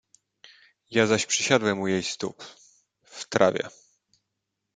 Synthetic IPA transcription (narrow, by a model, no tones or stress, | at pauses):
jazaɕpʂɘɕad̪wɛmujɛjst̪ṵp | ft̪ɾa̰vʲjɛ̰